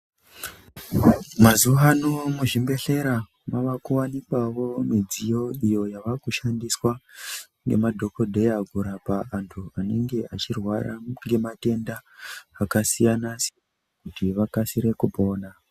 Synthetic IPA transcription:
mazuanomuʐimbe̞ɬe̞ɾa | maʋakuwanikwawo̞mid͡zijo̞ijo̞jaʋakuʃandiswa | ŋɡḛmadʱo̞ko̞dʱe̞jaɡʱuɾapaantʰuane̞ŋɡe̞ʔat͡ʃirwara̰ŋɡe̞mate̞ndaːkasijanase̥ | kutiʋakasiɾe̞kupo̞ːna

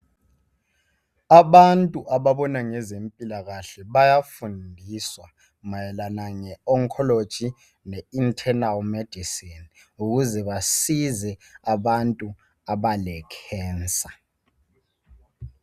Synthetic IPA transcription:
aɓantʼuʔaɓaɓɔnaŋɛzempʼilaɣaɬɛɓajafundʱiswa | majɛlanaŋɛɔŋkʰɔlod̥ʒ̥ʱi | nɛintʰɛnalmɛd̥ʱisin | uɣ̬uzɛɓasizɛaɓantʼu | aɓalɛkʰɛːnt͡sʼa

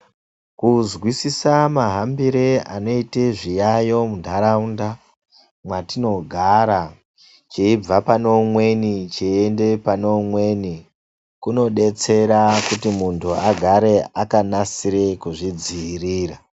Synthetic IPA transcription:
kuzɣwisisamaɦambiɾea̰no̞iteʐijajo̞mundʱaɾaunda | mwatino̞ɡʱaɾa | t͡ʃeib͡vapano̞mwe̞nit͡ʃeːnde̞pano̞mwe̞ni | kuno̞ɗe̞t͡se̞ɾakutimuntʰuaɡʱaɾe̞akanasiɾe̞kuʐid͡ziːriːra

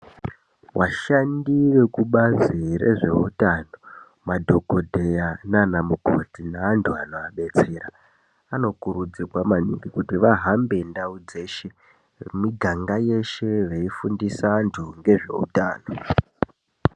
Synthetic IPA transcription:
waʃandiʋe̞kuɓaziɾe̞̰ʐe̞utaːno̞ | madʱo̞ɡʱo̞dʱejananamuɡʱo̞̰tinaːntʰuanoaɓe̞t͡se̞ɾa | ano̞kuɾud͡zikwamaniɡikutiʋaɦambe̞ndaud͡ze̞ːʃe̞ | miɡʱaŋɡaje̞ʃe̞ʋeifundisantʰuŋɡe̞ʐe̞̰ṵta̰ːno

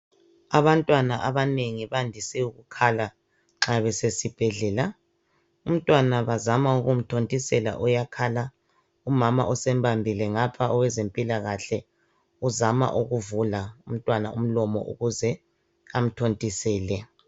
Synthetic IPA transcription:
aβantʼwanaʔaβaneŋiβandʱisɛuɣukʰala | ŋ͡ǁaβɛsesib̥ʱɛɮɛla | um̩tʼwanaβazamauɣum̩tʰontʼisɛla̰ʔɔjakʰala | umama̰ʔɔsɛmbʱambʱilɛŋapʰaɔwɛzempʼilaɣaɬɛ | uzama̰ʔuɣuvulaum̩tʼwana̰um̩lɔmɔ̰ʔṵɣuzɛ | am̩tʰontʼisɛːlɛ

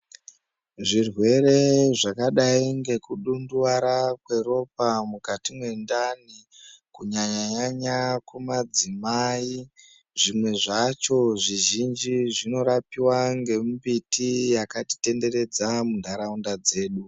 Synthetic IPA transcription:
ʐirwe̞ɾe̞ʐakaɗaiŋɡe̞kuɗunduwaɾakwe̞ro̞p̚amukatimwe̞ndanikuɲaɲaɲaɲakumad͡zimai | ʐimwe̞ʐat͡ʃo̞ʐiʒind͡ʒiʐino̞ɾapiwaŋɡe̞mbitijakati̥te̞nde̞ɾe̞d͡zamundʱaɾaundad͡ze̞ːɗu

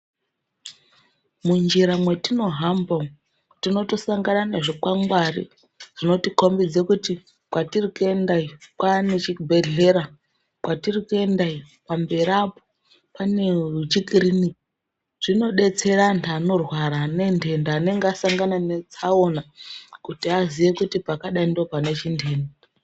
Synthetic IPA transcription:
mund͡ʒiɾamwe̞tino̞ɦambo | tino̞to̞saŋɡanane̞ʐokaŋɡwarḭ | d͡zino̞tiko̞mbid͡ze̞kuti | kwatirikue̞ndaikwanet͡ʃibʱe̞ɮe̞ɾa | kwatirikue̞ndai | pambe̞ɾapo | pane̞ut͡ʃikirini | ʐ̥ino̞ɗe̞t͡se̞rantano̞rwaɾane̞ndʱe̞ndaːne̞ŋɡeasaŋɡananet͡sao̞nakutiaziʋe̞kutipakaɗaindo̞panet͡ʃindʱe̞ːnda

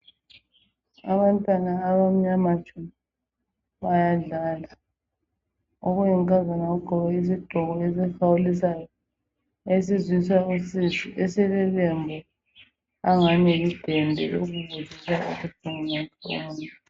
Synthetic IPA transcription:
aβantʼwanaːβam̩ɲamat͡ʃʰʼun | βajaɮaːla | oɣujiŋkʼazanaɣuɡ͡ǃ̥ʱɔβɛiziɡ͡ǃʱɔɣɔezixawulisajɔ | esizwisausiziʔesɛlɛβɛmbʱɔ | aŋaɲɛid̥ʱɛndʱɛ̰oɣuβuzisaṵsib̥ʱuŋinatʰʼɔːnɛ

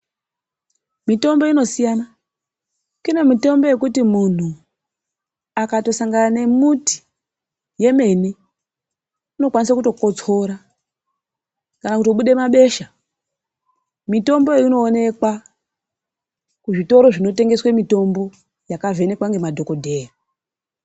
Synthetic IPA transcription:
mito̞mbo̞ino̞sijana | kine̞mito̞mbo̞je̞k̬utimun̤u | akato̞saŋɡanane̞muti̥ | je̞me̞ni | uno̞kwanisakuto̞ko̞t͡so̞ɾa | kanakutoɓuɗe̞maɓe̞ʃa | mito̞mboeino̞ːne̞kwa | kuʐito̞ɾo̞ʐino̞te̞ŋɡe̞swemito̞mbo̞ | jakave̞ne̞kwaŋɡe̞madʱo̞ko̞dʱe̞ːra

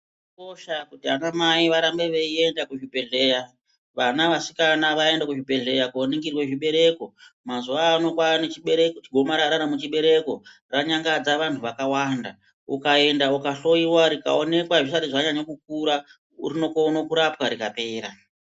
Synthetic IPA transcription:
ko̞ʃakutianamaiʋaɾambe̞ʋeie̞ndakuʐipe̞ɮe̞ːja | ʋanaʋasikanaʋae̞ndakuʐipe̞ɮe̞jakuoniŋɡirwe̞ʐiɓe̞ɾe̞ko̞mazuaːno̞kwanet͡ʃiɓeɾekt͡ʃiɡʱo̞maɾaɾanamut͡ʃiɓe̞ɾe̞ko̞ | raɲaŋɡad͡zaʋantʰuʋakawanda̰ | ukae̞ndaukaɬo̞iwaɾika̰one̞kwaʐisaɾiʐaɲaɲakuk̚uɾa | ṵɾino̞konokuɾapwaɾikape̞ːɾa

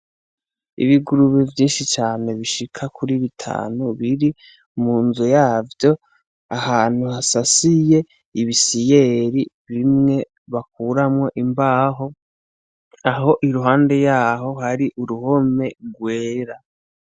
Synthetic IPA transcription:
ḭβiɡuɾuβevjiːnʃit͡ʃaːne̞βiʃikʰakʰuɾiβitʰa̰ːnuβiɾi | muːnzujaːvjo̞ | ahaːn̥huhasasije̞ | iβisije̞ɾiβimŋe̞ | βak̚uːɾamŋo̞ʔimbaːɦo̞ | aɦo̞ʔiɾuɦaːnde̞jaːɦo̞ɦaɾiʔuɾuho̞me̞ɡwe̞ːɾa

